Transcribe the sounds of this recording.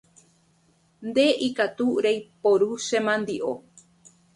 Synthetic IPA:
nd̪e̞ʔikat̪uɾejpoɾuʃẽmãnd̪iʔo

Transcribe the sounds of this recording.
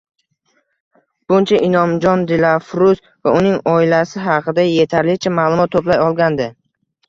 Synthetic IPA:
b̥ʊnt͡ʃʰaʔɪnɒmd͡ʒɒnd̪ɪlafɾus | vaʊnɪŋɒɪlasɪɦɑqʰɨd̪aje̞t̪ʰaɾlɪt͡ʃʰamaːlˠʊmɒt̪ʰːoplajɒlˠɡʲand̪ɪ

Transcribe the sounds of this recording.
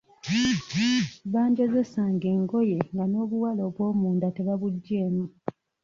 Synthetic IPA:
βaːɲɟozesaːŋɡe̞ːŋɡo̞je̞ŋɡano̞ːβuwalo̞ːβwo̞ːmuːndate̞βaβuɟːe̞ːmu

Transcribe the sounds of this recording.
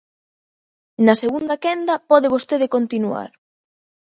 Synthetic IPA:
naseɣund̪akɛnd̪apɔðeβ̞ost̪eðekont̪inua̰ɾ

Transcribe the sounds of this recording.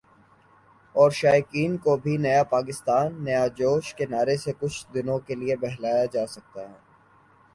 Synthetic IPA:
ɔːɾʃaːjkiːnkobʱinɐjapaːk̬ɪst̪aːnːɐjad͡ʒoːʃkenaːɾesekʊt͡ʃʰd̪ɪnõkeliebɛɦlaːjad͡ʒaːsɐk̚t̪aɦɛː

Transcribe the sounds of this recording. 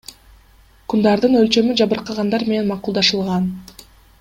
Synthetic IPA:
kund̪ɑɾd̪ɯnø̞lt͡ʃø̞myd͡ʒɑβɯɾqɑʁɑnd̪ɑɾme̞ne̞nmɑqulˠd̪ɑʃɯlˠʁɑn

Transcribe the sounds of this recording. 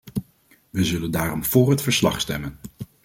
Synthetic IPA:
ʋəzɵləndaːrɔmv̥ʊːɹɦətfəɹslɑ̰χstɛ̰mən

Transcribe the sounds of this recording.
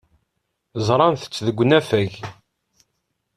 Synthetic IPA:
zˤɾˤɑnθə̥t͡sːðəɡʷːnæfæʝ

